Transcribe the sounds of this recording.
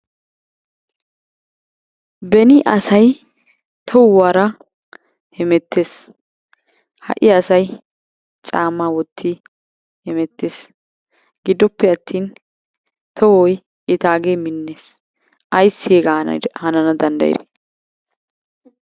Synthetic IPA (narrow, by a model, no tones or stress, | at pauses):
bɛnɪʔɐsɐj | t̪ʰɔwwaːɾɐ | hɛmɛt̪ʰːeːs | hɐ̰ʔɪɐsɐj | t͡sʼaːmːawɔt̪ʰːi | hɛmɛt̪ːeːs | ɡ̥ɪd̪ːɔpːɛɐt̪ʰːiːn | t̪ʰɔwɔj | ɪt̪aːɡemɪnːeːs | ʔɐjsːɪɛɡɐhɐnɐnɐd̪ɐnd̪ɐ̰jɪ̰ɾe